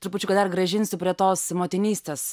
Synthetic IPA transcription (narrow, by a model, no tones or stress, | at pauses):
t̪ɾʊpʊt͡ʃʲʊkɐt̪d̪ɐrɡɾɐʒʲɪnʲsʲʊpʲɾʲiɛt̪oːsmoːt̪ʲɪnʲiːsʲt̪ʲeːs